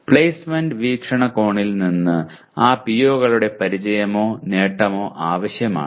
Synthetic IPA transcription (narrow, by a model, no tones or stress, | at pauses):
pɭejsmenɖɨʋiːkʂɐɳɐko̞ːɳilninːɨ | aːpijoːɣɐɭuɽe̞pɐɾit͡ɕɐjɐmo̞ːne̞ːʈːɐmo̞ːʔaːʋɐɕjɐma̰ːɳ